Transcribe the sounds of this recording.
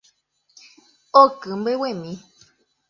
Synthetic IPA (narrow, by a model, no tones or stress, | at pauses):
okɨmbewemĩ